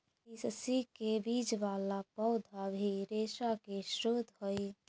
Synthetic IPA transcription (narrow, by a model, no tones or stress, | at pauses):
issikebid͡ʒʋalapɔʊd̪ʱabʱiɾeʃakeʃɾod̪ʱɦoj